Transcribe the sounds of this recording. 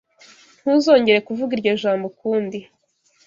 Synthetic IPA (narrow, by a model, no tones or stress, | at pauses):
n̥huːzo̞ːɲɟe̞ɾekuvuɡiɾɟeʒaːmbokuːndi